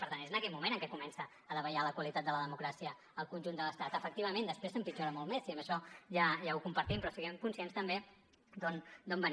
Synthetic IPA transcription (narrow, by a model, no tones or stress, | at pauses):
pəɾt̪ant̪ezənəkɛt̪̚mumẽnəŋkɛkumɛnsə | əðəβəjaləkwəlit̪at̪̚d̪ələðəmukɾasiə | əlˠkunʲʒund̪ələst̪at̪əfək̚t̪iβəmend̪əspɾesəmpid͡ʒoɾəmɔlˠmesiəmbəʃɔʒaʒaukumpəɾt̪impɾɔsiɣɛmkunsienst̪əmbe | d̪ond̪ombən